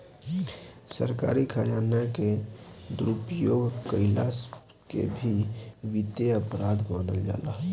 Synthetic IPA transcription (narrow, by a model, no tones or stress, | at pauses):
sə̰ɾka̰ɾikʰajanaked̪ɾupjoɡkəɪlas | kḛbʱiʋit̪eəpɾad̪manəld͡ʒa̰laɦ